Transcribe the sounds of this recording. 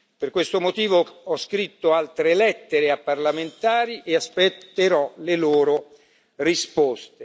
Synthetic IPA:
perkwest̪omot̪iːvoɔskɾit̪ːoalt̪ɾelɛt̪ːeɾeapːarlament̪aːɾiʔeaspet̪ːeɾɔleloːɾo | rispɔst̪e

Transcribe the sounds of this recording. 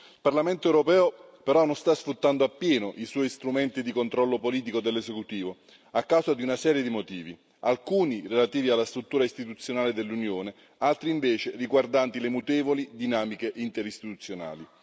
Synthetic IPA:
ilparlament̪oɛwɾopɛːo | peɾɔnonst̪asfɾut̪ːand̪oapːjɛːnoʔiswɔist̪ɾumɛnt̪id̪ikont̪ɾɔlːopoliːt̪ikod̪elːesekut̪iːvo | akːawzad̪iunasɛːɾjed̪imot̪iːvi | alkuːnirelat̪iːvialːast̪ɾut̪ːuːɾaist̪it̪ut̪sːjonaːled̪elːunjoːne | alt̪ɾiːɱveːt͡ʃeriɡward̪ant̪ilemut̪ɛːvolid̪inaːmikeʔint̪eɾist̪it̪ut̪sːjona̰ːli

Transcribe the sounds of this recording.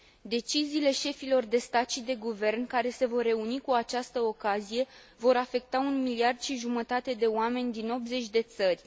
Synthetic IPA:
d̪e̞t͡ʃiziːle̞ʃe̞filo̞rd̪e̞st̪at̪ʃid̪e̞ɡuve̞rnkaɾe̞se̞vo̞rːe̞unikuat͡ʃast̪əo̞kazije̞ | vo̞ɾafe̞k̚t̪aunmiliard̪̥ʃiʒumət̪at̪e̞d̪e̞oame̞nʲd̪ino̞p̪̚ze̞t͡ʃʲd̪e̞t̪sərʲ

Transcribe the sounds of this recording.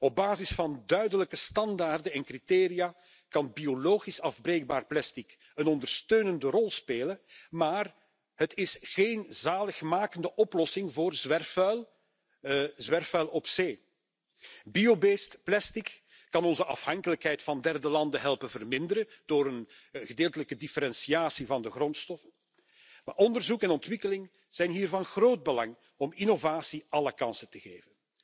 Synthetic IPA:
ɔb̚baːzɪsfɑndœɥdələkəstɑndaːrdənɛnkriteːɾijaː | kɑnbioloːɣisɑvbreːɡ̚baːrplɛstik | ənɔndərstøːnəndərɔlˠspeːləmaːr | ɦətɪsxeːnzaːləxmaːkəndəʔɔplɔsɪŋvoːrzʋɛrfœl | zʋɛrfœlˠɔpseː | biobestplɛstikː | ɑnɔnzəʔɑ̰fhɑŋkələkɦɛjtfɑndɛrdəlɑndəɦɛlˠpənvərmɪndəɾəd̥oːɾən | ɣədeːlˠtələkədifəɾɛnsiaːsivɑndəɣrɔntstɔfən | ma̰ːʔɔndərzukɛnɔntʋɪkəlɪŋ | z̥ɛjnɦiːrvɑnɣroːd̚bəlɑŋ | ɔminovaːsiʔɑləkɑnsətəɣeːvən

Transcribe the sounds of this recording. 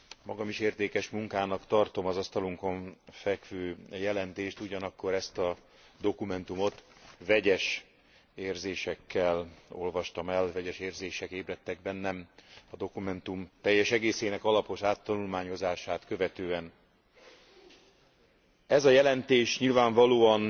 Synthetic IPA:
mɒɡɒmiʃeːrt̪eːkɛʃmuŋkaːnɒkt̪ɒrt̪o̞mɒzɒst̪ɒluŋko̞ɱfɛkvøːjɛlɛnt̪eːʃt̪uɟɒnɒkːo̞ɾɛst̪ɒ | d̪o̞kumɛnt̪umo̞t̪vɛɟɛʃ | eːrzeːʃɛkːɛlo̞̰lvɒʃt̪ɒmɛlvɛɟɛʃeːrzeːʃɛkeːbrɛt̪ːɛɡ̚bɛnːɛmɒd̪o̞kumɛnt̪umt̪ɛjːɛʃɛɡeːseːnɛkɒlɒpo̞ʃaːt̪ːɒnulmaːɲo̞zaːʃaːt̪kø̞vɛt̪øːɛn | ɛzɒjɛlɛnt̪eːʃɲilvaːɱvɒloːɒn

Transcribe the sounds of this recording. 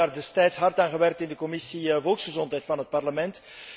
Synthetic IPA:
aːrdɛstɛjtsɦɑrtaːnɣəʋɛrk̚tɪndəkɔmɪsiəvɔlˠksχəzɔntɦɛjtfɑnɦət̚pɑrləmɛnt

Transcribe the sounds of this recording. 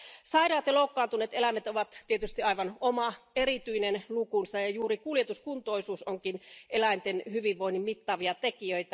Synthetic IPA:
sɑiɾɑːt̪ɑloukːɑːnt̪uneːt̪elæmet̪oʋɑt̪t̪ːiet̪yst̪iɑiʋɑnomɑeɾit̪yinenlukunsɑjɑjuːɾikuljet̪uskunt̪oisuːsoŋkinʔelæint̪enhyʋiʋʋoinːimmit̪ːɑːʋiɑt̪ekiøit̪æ

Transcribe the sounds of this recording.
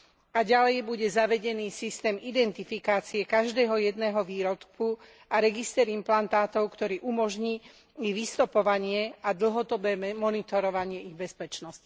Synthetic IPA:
aɟalɛjbuɟɛzaʋɛɟɛniːsist̪ɛːmid̪ɛnt̪ifikaːt͡siɛkaʒd̪ɛːɦɔjɛd̪nɛːɦɔʋiːɾɔt̪ku | aɾɛɡist̪ɛːɾimplant̪aːt̪ɔʊkt̪ɔɾiːʔumɔʒɲiː | iʋist̪ɔpɔʋaɲɪɛad̪l̩ɦɔd̪ɔbɛːmɔnit̪ɔɾɔʋaɲɪɛiɣbɛspɛt͡ʃnɔsci̥

